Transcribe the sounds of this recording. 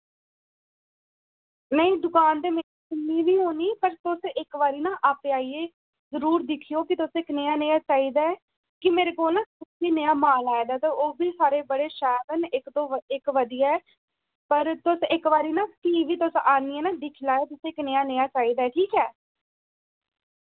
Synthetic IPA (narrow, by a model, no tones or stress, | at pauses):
nəĩːd̪ʊkaːnd̪eːmeːɾiːkɪnːiːʋiːɦoːniːpəɾt̪ʊsɪkʋaːɾiːnãːʔaːpeːaːieː | zəɾuːɾd̪ɪkʰijoːkɪt̪ʊsɪknejaːneːaːt͡ʃaːiːd̪aːɛ | kɪmeːɾeːkoːlnãːtʊsiːneaːmaːlaːeːd̪aːt̪aːoːbiːsaːɾeːbəɽeːʃɛːbənɪkt̪õːɪkʋəd̪ɪjaɛː | pəɾt̪ʊsɪkʋaːɾiːnãːkiːʋiːt̪ʊsaːniɛːnãːd̪ɪkʰlaːeːt̪ʊsɪkneːaːnejaːt͡ʃaːiːd̪aːɛːʈʰiːkɛː